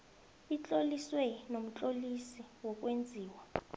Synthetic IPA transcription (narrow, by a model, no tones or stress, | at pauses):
it͡ɬʼoliswɛnom̩t͡ɬʼolisiwɔk̬ʼwend͡zʱiːwa